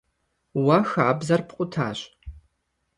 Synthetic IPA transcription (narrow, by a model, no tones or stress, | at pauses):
wɐxaːbzɐrpʰqʷʼʊtʰa̰ːɕ